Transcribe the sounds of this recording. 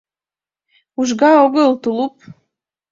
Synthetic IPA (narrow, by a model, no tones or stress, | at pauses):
uʒɡɑoɣəlˠt̪ulˠup̚